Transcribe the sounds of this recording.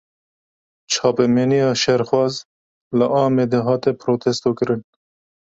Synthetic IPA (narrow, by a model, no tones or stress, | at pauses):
t͡ʃʰɑːpemenijɑʃeɾxwɑz | lɐʔɑːmed̪eɦɑːt̪epɾoːt̪ʰest̪okəɾən